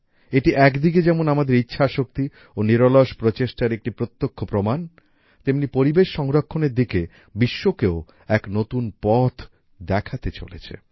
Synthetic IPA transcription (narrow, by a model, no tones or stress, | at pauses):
eʈiʔɛkd̪ik̬ed͡ʑɛmonamad̪eɾitːɕʰaʃok̚t̪i | oniɾoloʃpɾot͡ɕeʃʈaɾek̚ʈipɾot̪ːokʰːopɾoman | t̪emnipoɾibeʃːɔŋɾokʰːoneɾd̪ike | biʃːokeo | ɛknot̪unpɔt̪ʰ | d̪ɛkʰat̪et͡ɕo̰lḛt͡ɕʰḛ